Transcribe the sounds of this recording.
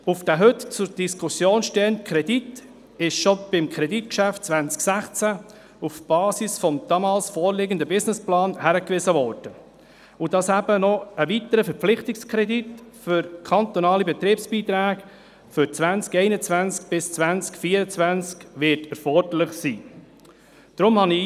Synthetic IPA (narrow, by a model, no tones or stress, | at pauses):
ufd̪̥æɦɵtt͡sʊɾd̥iskʰʊsjoːnʃtɛəntkʰɾɛdit | ɪʃʃɔb̥ɪmkʰɾɛditkʃæft̚t͡svænt͡sksæχt͡sæ | ufb̥ɑːsisfɔmd̪̥ɑːmɑːlsfɔːɾlɪɡəndəbɪsnɪsplɑːnhæɾəkʋɪsəʋɔɾd̥ə | ʊd̥ɑshæbənɔəʋitəɾəfɛɾp͡flɪχtɪkskʰɾɛditfʏɾkʰɑnt̪ɔnɑːlibɛt̪ɾiːpsb̥iːt̪ɾæːɡ | fʏɾt͡sʋænt͡skɛɪnət͡svænt͡sk̚b̥ɪst͡sʋænt͡skfiːəɾət͡sʋænt͡skʋɪɾtɛɾfɔrd̥əlɪχsiː | d̥ɾʊmhɑni